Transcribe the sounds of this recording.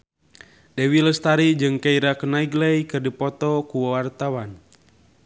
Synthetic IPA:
dɛwiləst̪aɾid͡ʒɨŋkaiɾakənaiɡlɛjkɨrdipɔt̪ɔkuwawart̪awan

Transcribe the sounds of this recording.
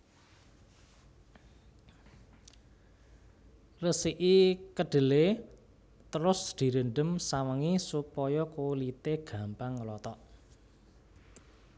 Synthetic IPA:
rəsiʔikəɖ̥ə̤le | t̪əɾʊsd̪̥i̤ɾəɳɖəmsaməŋisupɔjɔkolit̪eɡ̥a̤mpaŋlɔt̪ɔʔ

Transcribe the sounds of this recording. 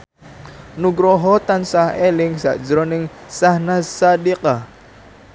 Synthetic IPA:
nuɡɾɔɦɔt̪ansahɛlɪŋsa̰ʔd͡ʒɾɔnɪŋsahnasadiqa

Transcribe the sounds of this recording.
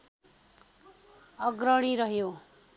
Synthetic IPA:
ʌɡrʌɽ̃iɾʌɦjo

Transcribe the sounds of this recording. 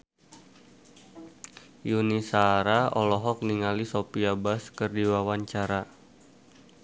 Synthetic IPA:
junisaɾaɔlɔɦɔk̚niŋalisopiabaskɨrdiwawaɲt͡ʃaɾa

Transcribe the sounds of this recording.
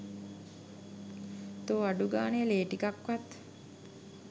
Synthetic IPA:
t̪oːaɖuɡaːneleːʈikakʋat̪

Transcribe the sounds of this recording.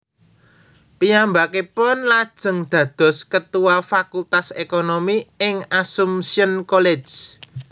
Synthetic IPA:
pijambakepʊnlad̥ʒ̥ə̤ŋd̪̥ä̤d̪̥ɔ̤skət̪uwafakult̪asekonomiɪŋasumsiənkole̥d͡ʒ̥

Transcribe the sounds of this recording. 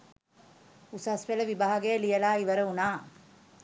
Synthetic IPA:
usasʋeləʋibaɦaɡejlijəlaːiʋəɾəunaː

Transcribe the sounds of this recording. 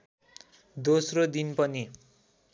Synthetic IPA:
d̪osrod̪inpʌni

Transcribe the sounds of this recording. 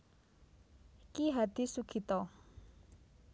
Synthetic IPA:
ikiɦad̪̥i̤suɡ̥ʰi̤t̪ɔ

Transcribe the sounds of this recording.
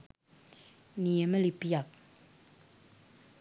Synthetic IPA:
nijɛməlipijap̚

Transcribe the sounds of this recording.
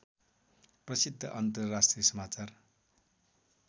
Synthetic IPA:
prʌsid̪ʱːʌ̰ʔʌnt̪ʌrːasʈrijʌsʌmat͡sar

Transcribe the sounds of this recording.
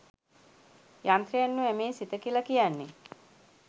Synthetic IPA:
jant̪ɾijanːuæmeːsit̪əkilakijanːe

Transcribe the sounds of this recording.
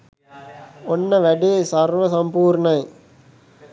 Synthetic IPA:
ɔnːɐʋɐɖesɐɾʋɐsɐmpuːɾnɐj

